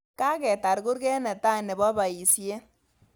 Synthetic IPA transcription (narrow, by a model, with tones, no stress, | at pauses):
ka˦kɛ˨ta˨ɾku˦ɾkɛ˦nɛ˨ta˦ne˨bɔ˦ba˨i˨sje˦